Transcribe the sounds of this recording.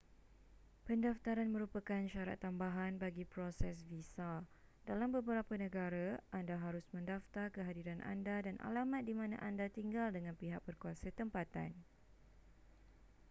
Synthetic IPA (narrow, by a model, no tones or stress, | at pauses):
pəndaft̪aɾanmə̃ɾupakanʃaɾa̰t̪ːambaɦanbaɡipɾosɛs̬visa | dalambəbəɾapanə̃ɡaɾaʔandaɦaɾʊsmə̃ndaft̪arkəɦadiɾanʔa̰ndadanʔa̰lamat̪̚dimãnã̰ʔandat̪iŋɡaldəŋãnpiɦak̚bərkuasət̪əmpat̪a̰n